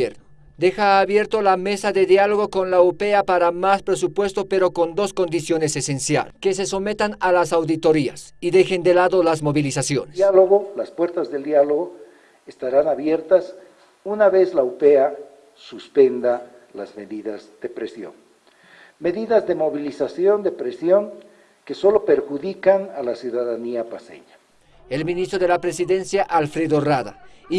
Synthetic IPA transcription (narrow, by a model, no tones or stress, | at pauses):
eɾno | d̪e̞xaːβje̞ɾt̪o̞lame̞saðe̞ðjalo̞ɣo̞ko̞nlaupeapaɾamaspɾe̞supwe̞st̪o̞pe̞ɾo̞ko̞nd̪o̞sko̞nd̪isjo̞ne̞se̞sensja̰lke̞s̬e̞so̞me̞t̪analasawðit̪o̞ɾia̰siðe̞xe̞nd̪e̞laðo̞lazmo̞βilisasjonealoɣolaspwe̞ɾt̪azðeld̪jaloɣo | est̪aɾanaβje̞ɾt̪as | unaβezlaupea | suspend̪a | la̰zmeðiðazd̪epɾesjo̰ŋ | me̞ðiðazðemoβilisasjond̪epɾesjoŋ | keso̞lopeɾxuðikaŋalasjuðaðaniapasḛɲa | elminist̪ɾoðelapɾesiðe̞nsjaʔalfɾeðoraða̰